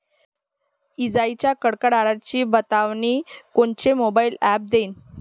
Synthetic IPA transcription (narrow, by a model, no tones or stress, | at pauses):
id͡zait͡ɕjakəɽkəɽaɽat͡ɕiːbət̪aʋɳiːkoɳt͡ɕemobailæp̚d̪eːn